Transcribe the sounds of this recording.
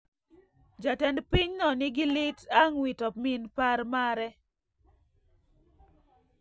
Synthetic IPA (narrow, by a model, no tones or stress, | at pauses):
d͡ʒatɛndpiɲnɔnɪɡɪlɪtaŋwitɔpmɪnpaɾmaɾɛ